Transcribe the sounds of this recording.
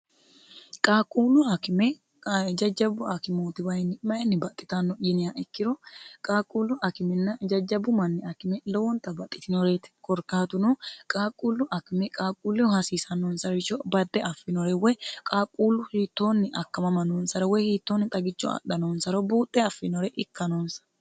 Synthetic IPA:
kʼaːkʼuːlʊɐkɪmɛ | d͡ʒɐd͡ʒːɐbʊɐkɪmoːt̪ɪwɐjnːɪmɐjɛnːɪbɐt̪ʼːɪ̥t̪ɐnːɔɪnɪjaʔɛkːɪɾɔkʼaːkʼuːlːʊɐkɪmɛnːɐd͡ʒɐd͡ʒɐbʊmɐnːɛɐkɪmɛlɔwɔnt̪ɐbɐt̪ʼːɪt̪ɪnɔɾeːt̪kɔɾkaːt̪ʊnɔkʼaːkʼuːlːʊʔɐkɪmɛkʼaːkʼuːlːɛɔhɐsiːsɐnːoːnsɐɾɪʃɔbɐd̪ːɛʔɐfːɪnɔɾɛwɛjkʼaːkʼuːlːʊhiːt̪ːo̞ːnːɪʔɐkːɐmɐmɐnoːnsɐɾɔwɛhiːt̪ːoːnːɪt̪ʼɐɡɪt͡ʃːɔɐ̰ɗɐnoːnsɐɾɔbuːt̪ʼːɛɐfːɪnɔɾɛʔɪkːɐnoːnsɐ̥ɾ

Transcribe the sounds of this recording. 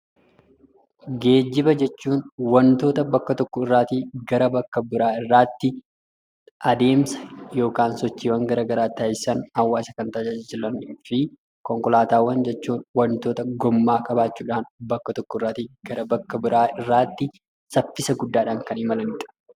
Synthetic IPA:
ɡe̞ːd͡ʒːɪbɐd͡ʒɛt͡ʃːuːnwɐnt̪o̞ːt̪ɐbɐkːɐt̪ɔkːɔɪrːaːt̪iːɡɐɾɐbɐkːɐbɪɾaːɪrːaːt̪ːɪ | ʔɐd̪e̞ːmsɐ̥jo̞ːkaːnsɔt͡ʃːiːwɐŋɡɐɾaːɡɐɾaːt̪ːaːɪsɐnhɐwːaːsɐkɐnt̪ɐd͡ʒɐd͡ʒɪlɐnːfɪ | kɔŋkɔlaːt̪aːwːɐnd͡ʒɛt͡ʃːuːnwɐnt̪o̞ːt̪ɐɡɔmːaːkʼɐbaːt͡ʃːuːᶑaːnbɐkːɐt̪ɔkːɔɪrːaːt̪iːɡ̥ɐɾɐbɐkːɐbɪɾʔaːɪrːaːt̪ːɪ | sɐfːɪsɐɡʊd̪ːaːᶑaːŋkɐnɪmɐlɐnɪᶑɐ̥

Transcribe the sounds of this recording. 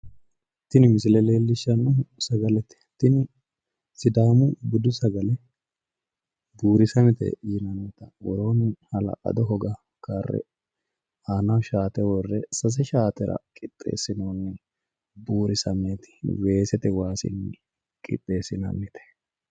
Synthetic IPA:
t̪ːɪnɪmɪs̬ɪlɛleːlːɪʃːɐnɐsɐɡɐlɛt̪ɛ̥t̪ːɪnɪ | sɪd̪aːmʊbɪd̪ʊsɐɡɐlɛ | buːɾɪsɐmɛt̪ɛ̰jɪnɐnːɪt̪ɐwɔɾo̞ːnɪhɐlɐ̰ʔɐ̰d̪ɔɦɔɡɐ | karːɛ̰ | aːnɐwʃaːt̪ɛwɔrːɛsɐs̬ɛʃaːt̪ɛɾɐ̰kʼɪt̪ʼːḛːsɪnoːnːɛ | buːɾɪsɐmeːt̪ɪ̥we̞ːsɛt̪ɛwaːsɪ̰nː | kʼɪ̰t̪ʼːeːsɪnɐ̰nːɛt̪ɛ̥

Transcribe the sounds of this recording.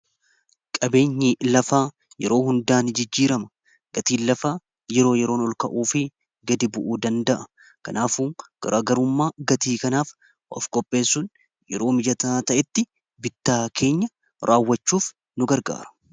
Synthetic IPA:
kʼɐbe̞ːɲːɪlɐfaː | jɛ̰ɾo̞ːɦʊnd̪aːnd͡ʒɪd͡ʒːiːɾɐmɐ̥ | ɡ̥ɐt̪iːnlːɐfaː | jɛɾo̞ːjɛɾo̞ːnɔlkɐʔuːfɪ | ɡɐd̪ɪbʊʔuːd̪ɐnd̪ɐʔɐ̥ | kɐnaːfuːɡ̥ɐ̰ɾʔaːɡɐɾʊmːaːɡɐt̪iːkɐnaːf | ʔɔ̰fkʼɔpʼːe̞ːsːʊn | jɛ̰ɾo̞ːmɪd͡ʒɐt̪ɐaːt̪ɐʔɛt̪ːɪ | bɪt̪ːaːkʰe̞ːɲːɐ | ɾʔaːwːɐt͡ʃːuːf | nʊɡɐɾɡa̰ːɾɐ̥

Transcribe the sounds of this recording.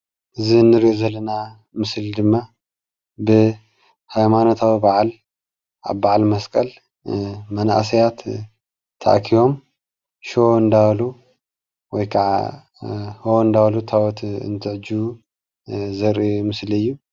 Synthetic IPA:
ʔɨzinːɨɾiʔozɐlːɐna | mɨsld̪ɨmːa | bɨ | hajmanot̪ʰawibaʕal | a̰βbaʕalmɐskʼɐl | mɐna̰ʔsɐjat̪ʰː | a̰ʔkʰiwo̞m | ʃond̪alu | wɔjkʰaʕa̰ | hond̪alut̪ʰawɔt̪ɨ̰nt̪ʰɨʕɨd͡ʒu | zɐɾimɨslɨjːu

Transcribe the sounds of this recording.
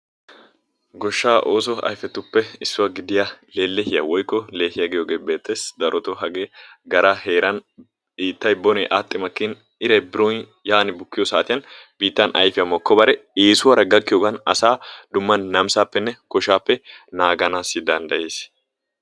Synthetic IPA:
ɡɔʃːaːʔoːsɔɐ̰jfɛt̪ːʊpːɛɪsːʊwɐɡɪd̪ɪjaleːlːɛhɪjɐ̰wɔjkːɔle̞ːhɪjɐɡɪjoːɡe̞ːbe̞ːt̪ʰːesd̪ɐɾʔɔt̪ɔɦɐɡeːɡɐɾaheːɾɐn | iːt̪ːɐjbɔnɛ̰ʔaːt̪ʼːɪmɐkːɪn | ɪɾɐjbɪɾon | jaːnɪbʊkːɪjɔsaːt̪ɪjɐnb̥iːt̪ːɐnʔɐ̰jfɪjɐmɔkːɔbɐɾɛeːsʊwɐɾɐɡɐkːɪjoːɡɐnɐsaːd̪ʊmːɐnːɐmsaːpːɛnːɛkɔʃaːpːɛnaːɡɐnaːsɪd̪ɐnd̪ɐʔeːs

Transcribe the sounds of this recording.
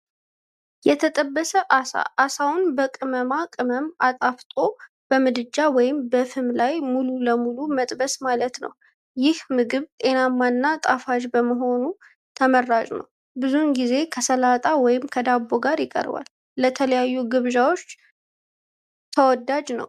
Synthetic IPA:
jɛt̪ʰət̪ʼəbːəsəʔasa̰ʔːsawʊnbəkʼɨməmakʼɨməmat̪ʼaft̪ʼo̞ | b̥əmɨd̪ɨd͡ʒawɔjɪmbəfɨmlajmululəmulumət̪ʼbəsmalət̪nə̰w | jɪhmɨɡɨβt̪ʼe̞namːanːat̪ʼafaʒbəməɦo̞nu | t̪ʰəmərːat͡ʃʼnə̰w | bɨzunɡize̞kʰəsəlat̪ʼawɔjɪmkʰəd̪abːoɡaɾjɪkʼə̰ɾba̰lː | ət̪ʰələjajːuɡɨβʒawo̞t͡ʃː | t̪ʰəwɔd̪ad͡ʒnə̰w

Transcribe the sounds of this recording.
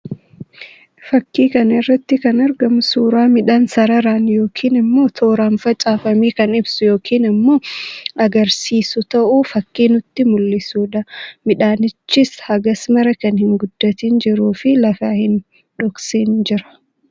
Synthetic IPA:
fɐkːiːkɐnɪrːɐt̪ːɪkɐnɐɾɡɐmʊsuːɾaːmɪᶑaːnsɐɾɐɾaːnjo̞ːkʰiːnɪmːo̞ːt̪ʰo̞ːɾamfɐt͡ʃʼaːfɐmiːkɐnɪbsʊjo̞ːkʰiːnɪmːo̞ːʔɐɡɐɾsiːsʊt̪ɐʔuːfɐkːiːnʊt̪ːɪmʊlːɪsuːᶑɐmɪᶑaːnɪt͡ʃːɪshɐɡɐsmɐɾɐkɐnhɪŋɡʊd̪̥ːɐt̪iːnd͡ʒɪɾuːfɪlɐfaːhɪn | ᶑɔkseːnd͡ʒɪɾɐ̥

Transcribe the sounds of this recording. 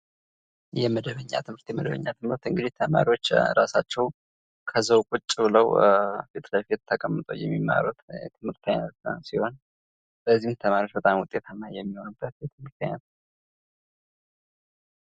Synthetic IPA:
jɛməd̪əβəɲːa̰t̪ʰɨmhɨɾt̪jɛməd̪əβə̰ɲːat̪ʰɨmɨɾt̪ɨŋɡɨd̪it̪ʰəma̰ɾiwo̞t͡ʃːɾasat͡ʃːɛw | kʰəzəwkʼut͡ʃʼːβɨləwfet̪ʰlafet̪t̪ʰːəkʼəmːɨt̪ʼo̰jɛ̰mːimːa̰ɾut̪ɛ̰t̪ʰɨmɨɾt̪ʰanəɾsiho̞n | b̥əzːiht̪ʰəmaɾiwot͡ʃbət̪ʼamwʊt̪ʼet̪ʰamːajɛmːiho̞nɨbːət̪̚jɛt̪ʰɨmɨɾt̪a̰ɲat̪

